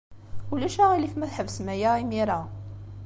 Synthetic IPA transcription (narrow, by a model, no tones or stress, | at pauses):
ulæʃæʁilifmæθħəvsmæjæimiɾa